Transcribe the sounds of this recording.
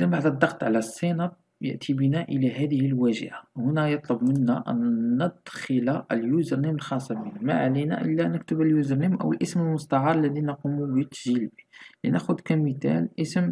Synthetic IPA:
zænbaʕd̪əd̪ˤːɑxt̪ˤʕalæsˤːinɑɾ̚ | jə̰ʔt̪ʰibənæʔəlæɦæd̪əhəlwæʒə̰ʔawhʊnæjət̪ˤlʊbmənːæʔæ̰nːəd̪xəlaʔə̰ljuzəɾniməlxɑsˤːɑbinæmæ̰ʕalinæ̰ʔə̰lːænək̚t̪əbæljuzəɾˤnimʔə̰wəlʔəsməlmʊst̪ɑʕɑɾˤlːæd̪inɑqumubət̪ːʒilbilḭnʔæxʊd̪kæmit̪æ̰lʔəsm

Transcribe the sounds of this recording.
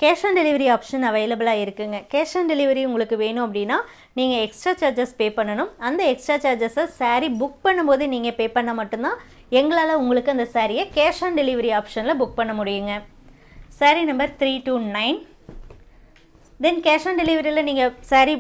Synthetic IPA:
keːʂaːɳɖɛlɪʋɐɾiaːpʂɐnɐʋɐɪlɐblaːɪɾɯkːɯŋɡɐkeːʂaːnɖɛlɪʋɐɾiʊŋɡɐɭɯkːɯʋeːnʊ̃ɐpːɐɽɪnːaː | niːŋɡɐɛksʈɾaːt͡ʃaːɾd͡ʒɐspeːpɐɳːɐnɯmɐnd̪ɐɛksʈɾaːt͡ʃaːɾd͡ʒɐsɐsaːɾibʊk̚pɐɳːɯmpoːðɯniːŋɡɐpeːpɐɳːɐmɐʈːɯnt̪ãː | ɛŋɡɐɭaːlɐʊŋɡɐɭɯkːɯɐnd̪ɐsaːɾɪjɐkeːʂaːnɖɛlɪʋɐɾiaːpʂɐnɪlɐbʊk̚pɐɳːɐmʊɽɪjɯŋɡɐ | saːɾinɐmbɐɾt̪ɾiːʈunɐɪn | d̪ɛnkeːʂaːɳɖɛlɪʋɐɾilɐniːŋɡɐsaːɾi

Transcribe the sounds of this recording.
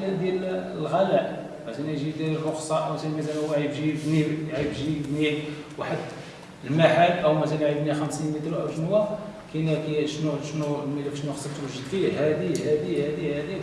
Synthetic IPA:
næd̪jæl | lɣælæʔ | mæsænæjʒid̪æɾiroxsˤɑʔəwæsælmæsælwaʕibʒibnijʕibʒibniwaħəd̪ | lmaħalʔəwmæsælnjʕibnixəmsinmit̪ɾʔæwʒənwækinækiʃnud̪ʃnulmilækʃnuxsˤəbt̪wəʒːəd̪fiɦæd̪ihæd̪ihæd̪ihæd̪i

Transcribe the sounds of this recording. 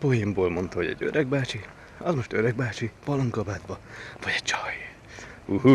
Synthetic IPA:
po̞jimboːlmo̞nt̪ɒɦoɟɛ̰ɟø̰ɾɛɡ̚baːt͡ʃi | ɒzmo̞ʃt̪øɾɛɡ̚baːt͡ʃipɒloŋkɒbaːt̪bɒvɒɟɛ̥t͡ʃɒj | huhu

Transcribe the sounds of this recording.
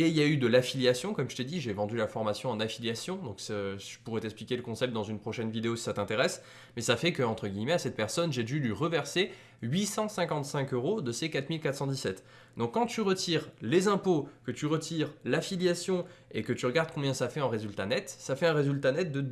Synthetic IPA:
eiljayd̪əlafiljasjɔ̃kɔmʒət̪ed̪iʒevɑ̃d̪ylafɔʁmasjɔ̃ɑ̃nafiljasjɔ̃d̪ɔ̃ksəʒə̥puʁɛt̪ɛksplikʲeləkɔ̃sɛp̚t̪̚d̪ɑ̃zynpχɔʃɛnvid̪eosi̥sat̪ɛ̃t̪eʁɛs | mɛsafɛkəɑ̃t̪χəɡʲijmɛasɛt̪̚pɛʁsɔnʒed̪yliʁəvɛʁse | ɥisɑ̃sɛ̃kɑ̃t̪sɛ̃køʁod̪əsekat̪milkat̪χsɑ̃d̪isɛt̪ | d̪ɔ̃kːɑ̃t̪yʁət̪ʰiʁlezɛ̃pokət̪yʁət̪ʰiʁlafiljasjɔ̃ekət̪yʁəɡaʁd̪̚kɔ̃bjɛ̃safɛɑ̃ʁezylt̪anɛt̪safɛɛ̃ʁezylt̪anɛt̪̚d̪ə

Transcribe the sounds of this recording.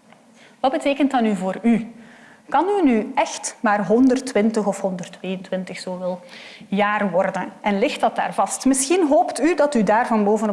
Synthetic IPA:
ʋɑd̚bəteːkəntdɑnyvoːry | kɑnynyɛxtmaːrɦɔndərtwɪntəxɔfhɔndərtʋeːjəntwɪntəxsoːvɪːlˠjaːrʋɔrdənʔɛnlɪxtdɑt̚da̰ːrvɑstmɪsxinɦoːptydɑtydaːrvɑnboːvənɔ

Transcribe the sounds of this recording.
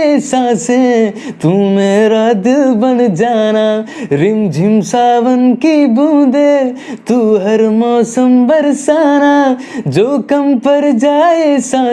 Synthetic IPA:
esaːsẽt̪umeːɾad̪bɐnd͡ʒaːnaːɾɪmd͡ʒʱɪmsaːʋənkibũːd̪e | t̪uːɦɐɾmɔːsəmbɐɾsaːnaː | d͡ʒoːkɐmpɐɾd͡ʒaːesa

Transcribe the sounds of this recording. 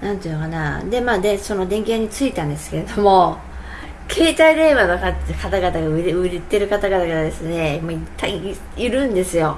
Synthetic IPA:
nãnt̪iɯːnokanad̪e̞maːd̪e̞so̞no̞d̪ẽ̞ŋkʲiaɲ̟it͡sɨit̪ãnd̪e̞sɨ̥ke̞ɾe̞d̪o̞mo̞ | kʰe̞ːt̪aiɾe̞ːβanokakat̪aɡat̪aɡaɯɾɯɾet̪ːe̞ɾɯ̟kat̪aɡat̪aɡat̪d̪e̞sɨne̞moit̪ːai | iɾɯ̟̃nd̪e̞sɨjo̞

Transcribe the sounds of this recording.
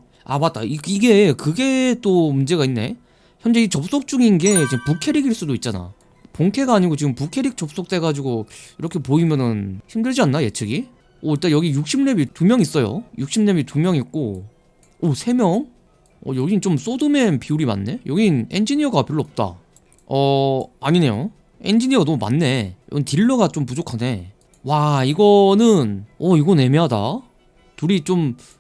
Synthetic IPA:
a̰mat͈̚a̰iiɡe̞kɯɡe̞t͈omund͡ʑe̞ɣainːe̞̰ | çjʌnd͡ʑe̞it͡ɕʌp̚s͈ok̚t͡ɕ͈uɡinɡe̞t͡ɕiɯmpukʰe̞ɾiɡiɭs͈udoit̚t͡ɕ͈ana̰ | poŋkʰe̞ɡaaɲiɡot͡ɕiɡɯmpukʰe̞ɾik̚t͡ɕ͈ʌp̚s͈ok̚t͈e̞ɡad͡ʑiɡoiɾʌkʰe̞poimjʌnɯnçimdɯɭd͡ʑianːaje̞t͡ɕʰeɡi | ʌiɭt͈ajʌɡijuk̚ɕ͈ʰimne̞bitumjʌŋis͈ʌjo̰juk̚ɕ͈ʰimnebitumjʌŋit̚k͈o | ʌsʰe̞mjʌŋ | ʌ̰jʌɡint͡ɕoms͈odɯme̞npiuɾima̰nːe̞jʌɡine̞nd͡ʑiɲiʌɡapjiɾoʌp̚t͈a̰ | ʌaɲine̞jo̰ | e̞nd͡ʑiɲiʌɡanʌmuma̰nːe̞jʌ̰ɡintiɭːʌɡat͡ɕompud͡ʑokʰane̞ | waiɡʌnɯnʌiɡʌne̞meɦada̰ | tuɾit͡ɕom

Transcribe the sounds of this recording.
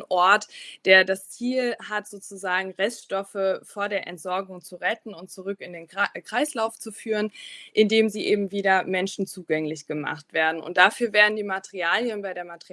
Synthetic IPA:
ʔɔɐtd̥eːɐdast͡siːlhatz̥oːt͡suzaːɡŋ̩ʁɛstʃtɔfəfoːɐdeːɐʔɛ̰ntz̥ɔɐɡʊŋt͡suʁɛtn̩ʊnt̚t͡suʁʏkɪndeːnkʁ̥aɪslaʊft͡sufyːʁ̞ənʔɪndeːmziːʔeːbm̩viːdɐmɛnʃn̩t͡suːɡɛŋlɪçɡ̥əma̰χtv̥eːɐdn̩ʊ̰nt̚d̥afyːɐveːɐdn̩diːmatəʁiaːljənbaɪdeːɐmatʁi

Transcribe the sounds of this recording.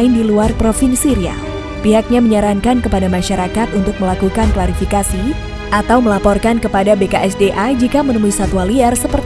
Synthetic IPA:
ɪndiluarpɾofinsiɾia̰ | piɦak̚ɲaməɲaɾaŋkankəpadamaʃaɾakat̪unt̪ʊk̚məlakukanklaɾifikasi | ʔat̪awməlapɔrkankəpadabekaʔɛsdeʔad͡ʒikamənəmuisat̪ualiɛrsəpər

